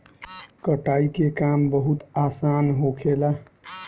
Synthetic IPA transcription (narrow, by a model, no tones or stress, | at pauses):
kəʈaikekambəɦut̪aːsanɦokʰela